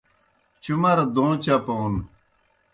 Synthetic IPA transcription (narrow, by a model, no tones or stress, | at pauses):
t͡ɕumɐɾd̪õːt͡ɕɐpon